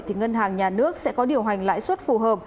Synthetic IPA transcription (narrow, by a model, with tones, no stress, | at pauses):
t̪ʰi˨˩ŋə˧nɦaː˨˩ŋɲaː˨˩nɨ˦˥ək̚sɛ̰˧˥kɔ˨˦ɗi˨˩əwɦa˨˩ŋ̟la̰ː˧˥jswə˦˥t̚fu˨˩ɦəː˨˩p̚